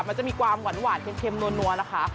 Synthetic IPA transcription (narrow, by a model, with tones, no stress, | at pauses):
ma˧nt͡ɕa˨˩miː˧kwaː˧mwa˨˩˦nwaː˨˩˦npe˧nkʰe˧mnu˧ənːu˧əna˦˥kʰa˦˥